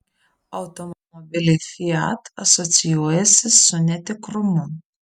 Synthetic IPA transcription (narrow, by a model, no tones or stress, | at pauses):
ɒʊt̪ɔmɔmɔbʲɪlʲɪxʲiɑ̰t̪ɐsɔt̪sʲɪjuɔjɛsʲɪsʊnʲɛt̪ʲɪkɾʊmʊ